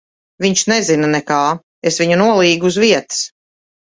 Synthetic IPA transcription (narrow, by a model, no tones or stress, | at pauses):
viɲʃnɛzinanɛkaː | esviɲunuɔlˠiːɡuzviɛt̪s